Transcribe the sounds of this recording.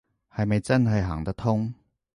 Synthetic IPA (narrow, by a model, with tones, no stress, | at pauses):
hɐ˨jmɐ˨jt͡sɐ˥nɦɐ˨jɦa̰ː˨˩ŋt̪ɐ˥k̚t̪ʰʊ˥ŋ